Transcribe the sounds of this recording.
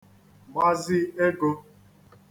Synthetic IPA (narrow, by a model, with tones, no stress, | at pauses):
ma˦zɪ˦e˦ɡo˦˧